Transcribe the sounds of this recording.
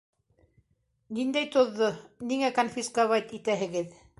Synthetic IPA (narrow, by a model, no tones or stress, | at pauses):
nind̪æjt̪ŏðːoniŋækonfʲiskavat̪it̪æɦɘ̆ɡɘð